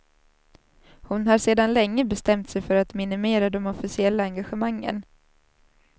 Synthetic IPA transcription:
hʊnɦaɾʂeːd̪anlɛŋːəbɛst̪ɛmt̪sɛjfœɾat̪mɪnɪmeːɾad̪ɔmɔfɪsɪɛlːaaŋɡaɧəmaŋːə̰n

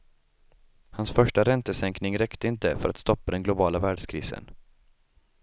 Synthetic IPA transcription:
hansfœʂʈaɾɛnt̪əsɛŋknɪŋɾɛkt̪əɪnt̪əfœɾat̪st̪ɔpːad̪ɛnɡlʊbɑːlavæːɖʂkʰɾḭːsə̰n

